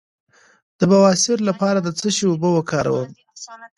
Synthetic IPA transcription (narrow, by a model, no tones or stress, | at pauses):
d̪̥əbawɑsɪɾlapɑɾad̪ət͡səʃiobəwəkɑɾa̰wəm